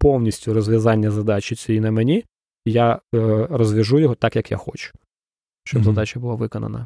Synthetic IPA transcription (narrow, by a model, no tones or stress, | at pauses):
pɔwnʲisʲtʲʊrɔzʲʋʲjɐzɑnʲːɐzɐd̪ɑt͡ʃɪt͡sʲijinɐmenʲi | jarɔzʲʋʲɐʒujɔɦɔt̪ɑkjɐkja̰xɔt͡ʃʊ̥ | ʃt͡ʃɔbzɐd̪ɑt͡ʃʲɐbʊlˠɑʋɪkɔnɐ̰nɐ̰